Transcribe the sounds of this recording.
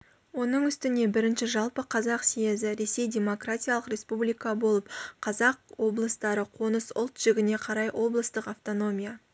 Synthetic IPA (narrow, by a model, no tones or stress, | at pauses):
wo̞nəɴʏst̪ɪne̞bɪɾɪnʃɪʒɑlˠpəqʰɑzɑqsijezɪɾe̞se̞jdʲe̞mo̞kratʲijalˠəqɾʲe̞spublʲijkabo̞lˠəpqʰɑzɑq̚wo̞blˠəst̪ɑɾəqʰo̞nəsʊ̰lˠt̪ʒ̥ɪɡʲɪne̞qʰɑɾɑjwʔo̞blˠəst̪əqaft̪o̞no̞mʲija